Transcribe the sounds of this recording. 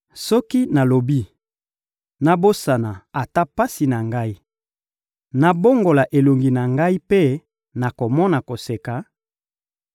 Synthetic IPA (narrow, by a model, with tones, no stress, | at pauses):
sɔ˦ki˦na˨lo˨bi˦ | na˨bo˦sa˨na˨a˨ta˦pa˦si˨na˨ŋɡa˦i˦ | na˨bo˦ŋɡo˨la˨ʔe˨lo˨ŋɡi˨na˨ŋɡa˦i˦pe˦ | na˨ko˨mɔ˦na˨ko˨se˨ka˨